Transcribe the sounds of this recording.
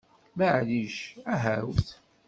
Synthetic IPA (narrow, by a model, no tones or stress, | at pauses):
məʕliʃæɦæwθ